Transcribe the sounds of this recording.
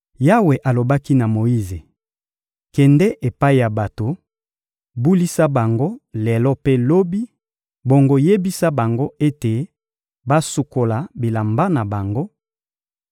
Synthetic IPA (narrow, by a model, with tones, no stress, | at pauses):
ja˦we˨ʔa˨lo˨ba˦ki˦na˨mo˨i˦ze˨ | kɛ˨ndɛ˦ʔe˨pa˦i˨ja˨ba˨to˨ | bu˦li˦sa˦ba˨ŋɡo˦le˨lɔ˦pe˦lo˦bi˦ | bo˨ŋɡo˨je˦bi˦sa˦ba˨ŋɡo˦e˦te˨ | ba˦su˨ko˨la˨bi˨la˨mba˦na˨ba˨ŋɡo˦